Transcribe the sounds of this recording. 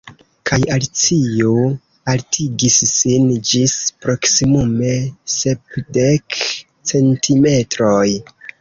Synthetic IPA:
kʰajalt͡sio | altʰiɡisːind͡ʒispɾo̞ksimume̞sepdek | t͡se̞ntʰime̞tɾoj

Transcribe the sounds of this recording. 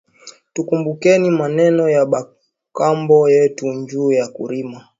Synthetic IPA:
tukumbukɛnimanɛnɔjaɓa | kambɔjɛtuɲd͡ʒuːjakṵɾima

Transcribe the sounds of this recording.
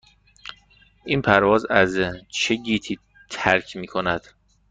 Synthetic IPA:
ʔiːnpʰæɾvɒːzæzt͡ʃʰeɡiːt̪ʰiː | t̪ʰæɾkʰmiːkʰonæd̪̥

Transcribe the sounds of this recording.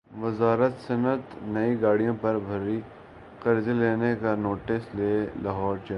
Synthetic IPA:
ʋɪzaːɾət̪sɐnət̪nɐiɡaːɽijõpɐɾbʱɐɾi | qɐɾzeleːnekanoːʈɪsleːlaːɦɔːɾt͡ʃɐ

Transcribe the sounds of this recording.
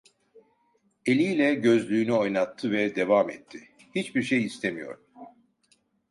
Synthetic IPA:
elʲijlʲɛɟø̞zlʲyːnyo̞jnat̪ʰːɯvɛd̪e̞vamɛ̰t̪ʰːi | hit͡ʃbiɾʃejist̪ʰemijo̞̰ɾ

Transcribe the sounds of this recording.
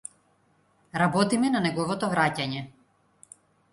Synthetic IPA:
ɾabɔt̪imɛnanɛɡɔvɔt̪ɔvɾacaɲɛ

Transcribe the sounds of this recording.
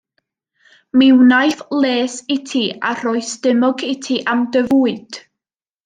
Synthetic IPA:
mɪwnajθlˠeːsɪtʰia̰r̥ɔɨsdɪmɔɡɪtʰiʔamdəvuːɨd̥

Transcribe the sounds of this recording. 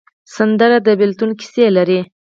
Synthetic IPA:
sand̪əɾad̪əbɪlt̪unkɪ̥selaɾi

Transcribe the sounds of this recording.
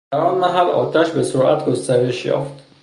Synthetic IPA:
æɾɒːnmæɦælɒ̰ːt̪ʰæʃbe̞soɾʔæt̪ʰɡost̪æɾe̞ʃjɒ̰ːft̪

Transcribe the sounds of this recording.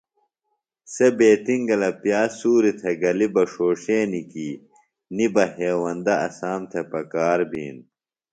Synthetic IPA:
sebeːt̪iŋɡɐlɐpjaːsuːɾit̪ʰeɡɐlibɐʂoːʂeːniki | nibɐɦeːwɐnd̪ɐɐsaːmt̪ʰepɐkaːɾbʱḭːn

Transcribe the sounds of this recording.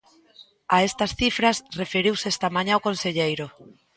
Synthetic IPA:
ɐest̪ɐsθifɾɐsrefeɾiwsest̪ɐmãɲãokonseʎejɾʊ

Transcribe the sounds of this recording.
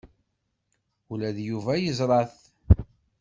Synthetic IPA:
ulæðjuvæjəzˤɾˤɑθ

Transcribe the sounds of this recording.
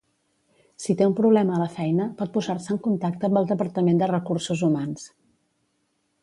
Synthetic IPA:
sit̪eumpɾuβlɛməːləfɛjnəpɔt̪̚puzarsəːŋkunt̪ak̚t̪əːmbəlˠd̪əpəɾt̪əmend̪ərəkursuzumans

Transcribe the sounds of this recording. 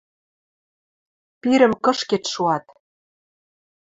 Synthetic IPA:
piɾɘ̆mkɤ̆ʃket̪ʃuɑt̪

